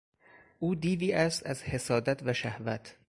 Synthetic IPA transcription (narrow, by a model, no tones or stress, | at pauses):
ʔuːd̪iːviːæst̪æzhe̞sɒːd̪æt̪ʰvæʃæhvæt̪ʰ